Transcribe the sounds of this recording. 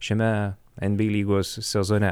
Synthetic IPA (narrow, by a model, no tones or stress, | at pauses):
ʃʲɛmʲɛ | ɛnʲbʲiːlʲiːɡoːsːʲɛzɔnʲɛ